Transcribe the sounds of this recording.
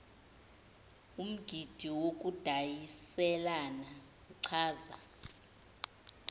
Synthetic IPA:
um̩ɡ̥ʱid̥ʱiwok̬ʼud̥ʱajisɛlana | uǀʰaːza

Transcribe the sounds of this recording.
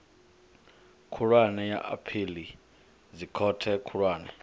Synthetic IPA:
kʰuɺwanɛja̰ʔa̰pʰili | zikʰɔtʰɛkʰuɺwaːnɛ

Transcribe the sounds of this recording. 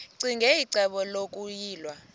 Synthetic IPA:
ǀiŋɡʱɛiǀɛɓɔlokʼujiːlwa

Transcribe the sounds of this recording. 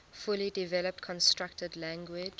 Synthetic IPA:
fʊlidivɛləp̚tkʰɔ̃nstɹak̚tədlæ̃ŋɡwɪ

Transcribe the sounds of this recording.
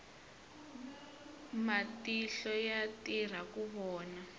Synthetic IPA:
matiɬɔjatir̤akuβɔːna

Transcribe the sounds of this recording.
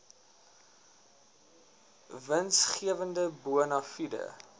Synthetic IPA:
vənsχiəvəndəbuənɐfidə̰

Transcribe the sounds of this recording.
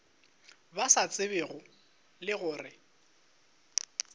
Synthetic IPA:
basat͡sʼɪβeɣʊ | lɪɣʊːrɪ

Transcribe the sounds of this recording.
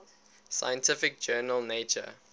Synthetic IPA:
sa̰jə̃ntʰɪfɪk̚d͡ʒɜːnəlˠneɪt͡ʃə̰

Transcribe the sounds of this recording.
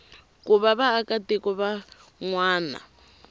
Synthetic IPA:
kʼuβaβaːkatikɔβa | ŋwaːna̰

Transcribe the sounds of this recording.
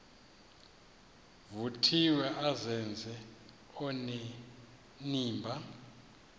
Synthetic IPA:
vutʰiwɛʔazɛnd͡zʱɛ | ɔnɛ | niːmbʱa

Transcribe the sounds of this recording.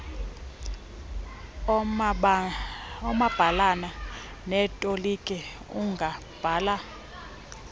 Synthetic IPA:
ɔmab̥ʱalana | nɛtʼolikʼɛ | uŋɡʱa | b̥ʱaːla

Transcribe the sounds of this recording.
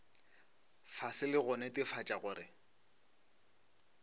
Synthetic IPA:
fasɪlɪɣʊnɛtʼɪfat͡ʃʼaɣʊːɾɪ̰

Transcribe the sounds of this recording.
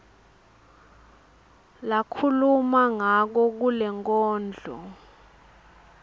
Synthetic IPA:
lakʰulumaŋak̬ɔk̬ulɛŋkʼɔːnd͡ɮʱɔ̰

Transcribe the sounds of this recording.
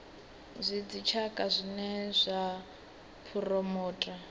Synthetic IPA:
zʷid͡zit͡ʃʰakʼazʷinɛzʷa | pʰurɔmɔːtʼa

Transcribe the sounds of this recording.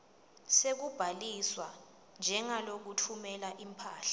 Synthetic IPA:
sek̬ub̥ʱaliswa | nd͡ʒʱɛŋalok̬utʰumɛlaʔimpʰaːɬḁ

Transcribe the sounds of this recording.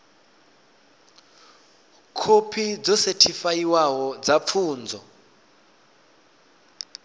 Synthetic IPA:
kʰopʰid͡zɔsetʰifajiwaɦɔd͡zap̪fʰuːnd͡zɔ

